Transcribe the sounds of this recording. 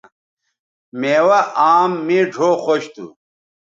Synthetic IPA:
meːwɐʔaːmːiɖʱoːxoɕt̪ʰṵ

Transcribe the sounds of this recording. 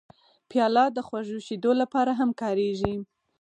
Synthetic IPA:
pjɑlɑd̪əxwaʒuʃed̪olapɑɾaɦamkɑɾeʒi

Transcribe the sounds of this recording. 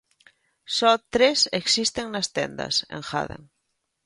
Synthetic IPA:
sɔt̪ɾeseksist̪eŋnast̪ḛnd̪a̰sḛŋxa̰ðḛŋ

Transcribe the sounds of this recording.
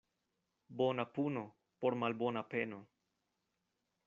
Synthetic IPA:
bonapuno̞ | po̞ɾmalbo̞nape̞no̞

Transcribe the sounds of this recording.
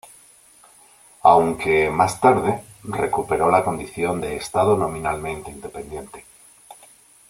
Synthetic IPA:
awŋke̞mast̪aɾð̞ere̞kupe̞ɾo̞lako̞nd̪iθjo̞nd̪eːst̪aðonõ̞mĩnalmẽ̞nt̪eind̪e̞pe̞nd̪je̞nt̪e̥

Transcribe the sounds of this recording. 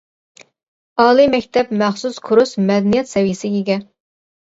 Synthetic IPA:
ɑːlˠimɛkʲt̪ʰɛpmæχsuskʰʊɾusmɛd̪ɛnijɛt̪sɛwijɪsɪiɡʲɛ

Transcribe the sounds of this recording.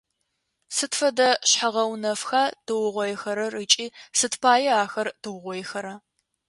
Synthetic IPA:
sɨtfɐdɐɕħaʁɐwnɐfxaːd̥ɨwʊʁʷɔjɛxɐɾɐrɨt͡ʃʼiːsɨtʰpʰaːjɛaːxɐrd̥ɨwʊʁʷɔjɛxɐɾɐ

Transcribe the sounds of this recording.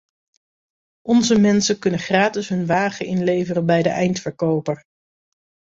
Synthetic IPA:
ʔɔnzəmɛnsəkɵnəχraːtɪsɦɵnʋaːχəɪnlejvərəbɛjdəʔɛjntfəɹkowpəɹ

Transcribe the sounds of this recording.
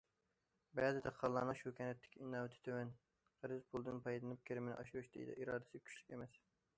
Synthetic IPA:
bɛːzɪd̪ʰɛqʰːɑlˠːɑnɨŋʃukʰʲɛnɛt̪ʰːɪ̥kʲʰiinɑːwɪt̪ʰɪ̥t̪ʰøwɛn | ʁəɾɪzpʰulˠd̪ɨnpʰɑjd̪ɨnɨp̚kʲʰeɾɪmɪnɪ̰ʔɑ̰ʃuɾuʃd̪ḛj̰d̪ɛ̰ʔiɾɑːd̪ɪ̥sɪɡʲɛkʲʰy̥ʃlykʲemɛs

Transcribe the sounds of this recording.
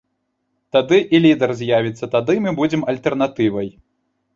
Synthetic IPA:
t̪ad̪ɨʔilʲid̪ɛrzʲjavʲit̪sːɐt̪ad̪ɨmɨbud͡zʲɛmɐlʲt̪ɛrn̪at̪ɨvɐj

